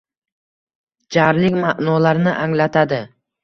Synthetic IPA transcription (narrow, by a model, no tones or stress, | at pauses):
d͡ʒaɾlɪkʲmaʔnɒlaɾnɪʔaŋlat̪ʰad̪ɪ